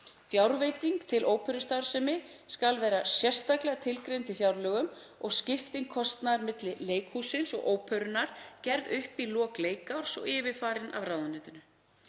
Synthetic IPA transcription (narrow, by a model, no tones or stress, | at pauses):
fjawɾveːjt̪iŋkt̪ʰɪlʔoːwpʰœɥɾʏst̪aɾ̥sɛmɪskalvɛːɾasjɛr̥st̪aklɛːɣat̪ʰɪlkɾejnt̪ɪfjawɾlœːɣʏm | ɔɣscɪft̪iŋkʰɔst̪naɾmɪt̪lɪleːjkhuːsɪnsɔ̰ɣʔoːwpʰœɾʏnaɾ̥cɛɾðʏhpilɔːkleːjkawɾ̥sɔ̰ɣɪːvɪfaːɾɪnʔa̰vɾaːwðʏnʏːt̪ʏnʏ